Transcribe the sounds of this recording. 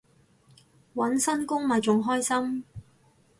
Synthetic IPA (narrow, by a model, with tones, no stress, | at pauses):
wɐ˨˥nsɐ˥nkʊ˥ŋma˨˩jt͡sʊ˨˩ŋɦɔː˥jsɐ˥m